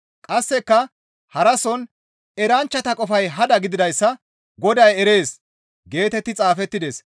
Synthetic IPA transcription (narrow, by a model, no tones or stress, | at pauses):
kʼɐsːɛkːɐ | hɐɾɐsɔn | ɛɾɐnt͡ʃːɐt̪ɐkʼɔfɐjɦɐd̪ɐɡɪd̪ɪd̪ɐjsːɐ | ɡɔd̪ɐjɛɾe̞ːs | ɡe̞ːt̪ɛt̪ːɪt͡sʼaːfɛt̪ːɪd̪es